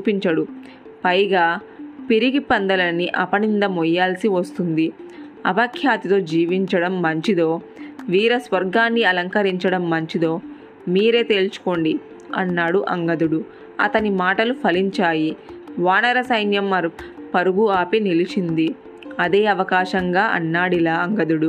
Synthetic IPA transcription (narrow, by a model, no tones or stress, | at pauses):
t͡ʃuːpiɲt͡ʃɐɽu | pɐjɡaː | piɾiɡipɐnd̪ɐlɐnːiʔɐpɐnind̪ɐmɔjːaːlsiʋɐst̪und̪i | ɐ̰bɐkʰjaːt̪it̪o̞ːd͡ʒiːʋiɲt͡ʃɐɽɐmːɐɲt͡ʃid̪o̞ː | ʋiːɾɐsʋɐɾɡaːnːiɐlɐŋkɐɾiɲt͡ʃɐɽɐmːɐɲt͡ʃid̪o̞ː | miːɾe̞ːt̪e̞ːlt͡ʃu̥ko̞ːɳɖi | ɐ̰nːaːɽuʔɐŋɡɐd̪uɽu | ɐ̰t̪ɐnimaːʈɐlupʰɐliɲt͡ʃaːjiʋaːnɐɾɐsɐjnjɐmːɐɾupɐɾuɡuaːpinilit͡ʃind̪i | ɐd̪e̞ːɐʋɐkaːʃɐŋɡaːʔɐ̰nːaːɽilaːɐŋɡɐd̪uɽu